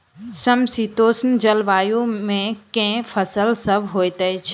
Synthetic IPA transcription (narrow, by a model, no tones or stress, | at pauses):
sɐmsiːt̪oːsnd͡ʒɐlʋaːjũmẽkẽfʰɐsəlsɐbʱɦoːet̪ət͡ʃʰ